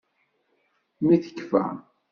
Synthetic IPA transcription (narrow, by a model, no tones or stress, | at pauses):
miθə̥kːfæ̰